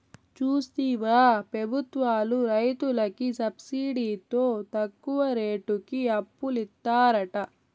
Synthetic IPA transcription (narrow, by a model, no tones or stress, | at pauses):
t͡ʃuːst̪iːʋaːpɾɐbʱut̪ʋaːluɾɐjt̪ulɐkisɐbsiːɖiːt̪o̞ːt̪ɐkːuʋɐɾeːʈukiɐpːulit̪ːaːɾɐʈɐ